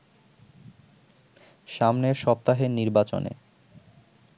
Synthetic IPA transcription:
ʃamneɾʃɔp̚t̪aɦeniɾbat͡ɕo̰nḛ

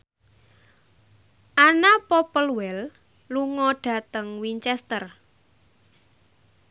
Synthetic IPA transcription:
ʔanapɔpəlwɛl | luŋɔɖ̥ä̤t̪əŋwint͡ʃɛst̪ər

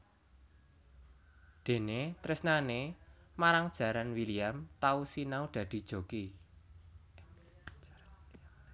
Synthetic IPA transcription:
d̪̥e̤net̪ɾɪsnanemaɾaŋd̥ʒ̥ä̤ɾanwiliamt̪ausinaud̪̥ä̤d̪̥i̤d̥ʒ̥o̤ki

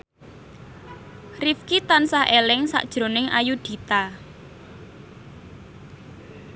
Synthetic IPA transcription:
rifkit̪ansahʔelɪŋsa̰ʔd̥ʒ̥ɾo̤nɪŋa̰jud̪̥i̤t̪a

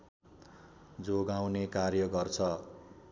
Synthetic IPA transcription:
d͡zoɡawnekarjʌɡʌrt͡sʰʌ

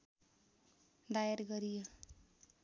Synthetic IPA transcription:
d̪ajaɾɡʌɾijo

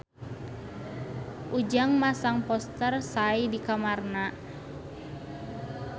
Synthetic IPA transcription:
ʔud͡ʒaŋmasaŋpɔst̪ərsaidikamarna

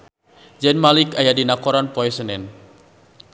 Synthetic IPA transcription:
d͡ʒɛnmalikajadinakɔɾanpɔɛsənɛn

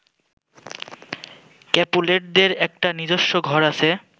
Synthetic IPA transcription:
kɛpuleʈ̚d̪eɾɛk̚ʈanid͡ʑoʃːoɡʱɔɾat͡ɕʰe

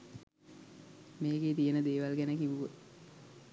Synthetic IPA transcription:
meːɡeːt̪ijənəd̪eːʋalɡænəkiʋuʋə

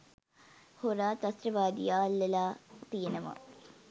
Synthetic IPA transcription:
hoɾaːt̪ɐsɾɐbaːd̪ijaːlːɐlaːpiːnɐmɐ̰

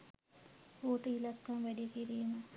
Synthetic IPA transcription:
oːʈəilakːamʋæɖikiɾiːmə

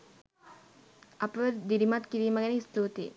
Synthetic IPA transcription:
ɐpəʋəd̪iɾimat̪kiɾiːməɡæneist̪uːt̪ḛ

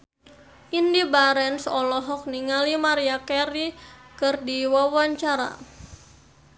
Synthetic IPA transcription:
ʔindibaɾɛnsɔlɔɦɔk̚niŋalimaɾiakɛɾikɨrdiwawaɲt͡ʃaɾa̰

